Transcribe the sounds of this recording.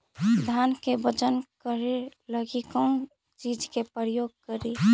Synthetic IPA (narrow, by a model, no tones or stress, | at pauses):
d̪ʱankebət͡ʃənkəɾeləɡikə̃ | t͡ʃid͡ʒkepɾjoːɡ̚kəɾi